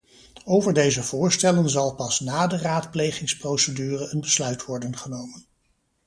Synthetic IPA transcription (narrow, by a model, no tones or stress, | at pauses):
owvəɹdejzəvʊːɹstɛlənzɑlˠpɑsnaːdəraːtplejχɪŋsprowsədyːrəənbəslœɥtʋɔɹdənχənowmən